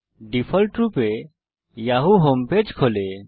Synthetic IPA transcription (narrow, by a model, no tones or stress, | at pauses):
ɖipʰəlʈɾupe | jaɦuɦoːmpeːd͡ʒkʰoːle